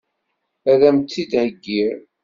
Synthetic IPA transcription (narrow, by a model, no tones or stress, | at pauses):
æðæmt͡s̪ːid̪ʕəɡːiɾ